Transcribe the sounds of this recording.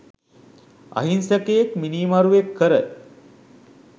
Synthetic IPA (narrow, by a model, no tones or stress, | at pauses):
a̰ɦinsəkejekminiːmaɾuʋekʰːəɾə